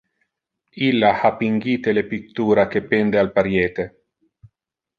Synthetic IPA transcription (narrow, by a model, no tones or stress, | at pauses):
ilːahapiŋɡiːt̪elepikt̪uːɾakepend̪ealpaɾjeːt̪e